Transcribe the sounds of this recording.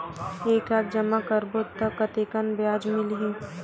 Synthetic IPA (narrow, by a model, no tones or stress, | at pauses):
eːklaːt̪̚ʰd͡ʒɐmakəɾbott̪ːəkːɐt̪eːkənbjaːd͡ʒmɪlɦĩː